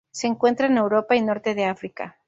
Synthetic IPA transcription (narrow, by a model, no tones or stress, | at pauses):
se̞ːŋkwe̞nt̪ɾaene̞wɾo̞paino̞ɾt̪e̞ðe̞afɾika̰